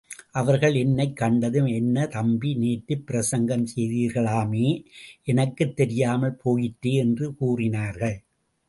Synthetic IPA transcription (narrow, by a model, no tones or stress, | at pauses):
ʔɐʋɐɾɣɐɭɛnːɐɪkːɐɳɖɐðɯmɛnːɐt̪ɐmbineːʈːɯpːɪɾɐsɐŋɡɐmsɛjðiːɾɣɐɭaːmeːʔɛnɐkːɯt̪ːɛɾɪjaːmɐɭpʰoːjɪʈːeːɛndrɯkuːrɪnaːɾɣɐɭ